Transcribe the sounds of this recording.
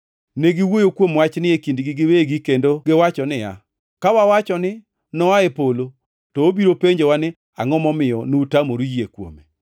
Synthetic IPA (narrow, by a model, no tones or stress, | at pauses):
neɡɪwojokwomwat͡ʃnɪekindɡɪɡɪweɡikendoɡɪwat͡ʃɔnɪja̰ | kawawat͡ʃɔnɪ | nɔaepolo | tɔobiɾopeɲd͡ʒewanɪ | aŋɔmɔmɪjɔnuutamoɾujiekwo̰me